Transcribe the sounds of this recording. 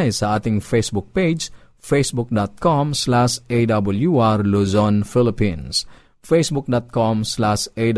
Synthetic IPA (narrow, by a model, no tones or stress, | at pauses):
jsaat̪ɪŋfesbuk̚ped͡ʒ | fesbuk̚dɔt̪̚kɔmslaʃedabəljuarluzɔnfilipins | fesbuk̚dɔt̪̚kɔmslaʃed